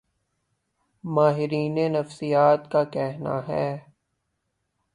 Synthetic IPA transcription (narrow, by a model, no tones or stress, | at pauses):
maːɦɪɾiːnenɐfsijaːt̪kakɛɦna̰ɦɛː